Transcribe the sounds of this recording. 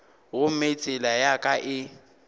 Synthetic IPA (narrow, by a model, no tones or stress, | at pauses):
ɣʊm̩met͡sʼɪlajakʼaʔɪ